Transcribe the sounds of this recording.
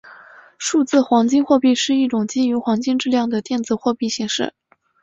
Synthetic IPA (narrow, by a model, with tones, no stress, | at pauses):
ʂu˥˧t͡sɹ̩˥˩xwɑ˧˥ŋt͡ɕi˥˧ŋxwɔ˥˧pi˥˧ʂɻ̩˥˧i˥˩ʈ͡ʂʊ˨˩ŋt͡ɕi˥y˧˥xwɑ˧˥ŋt͡ɕi˥˧ŋʈ͡ʂɻ̩˥˧ljɑ˥˩ŋd̪ə˩t̪jɛ˥˩nt͡sɹ̩˥xwɔ˥˧pi˥˧˩ɕi˧˥ŋʂɻ̩̰˥˩